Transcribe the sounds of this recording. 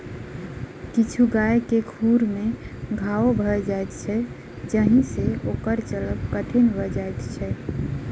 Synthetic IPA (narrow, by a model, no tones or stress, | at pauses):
kit͡ʃʰuɡaekekʰuɾmeɡʱaobʱəd͡ʒajt̪̚t͡ʃʰɛ | d͡ʒəɦĩseokəɾt͡ʃələbkəʈʰinbəd͡ʒajt̪t͡ʃʰɛ